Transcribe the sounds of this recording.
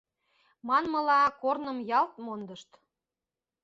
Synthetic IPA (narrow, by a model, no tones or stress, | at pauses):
mɑnməlɑkornəmjɑlt̪mond̪əʃt̪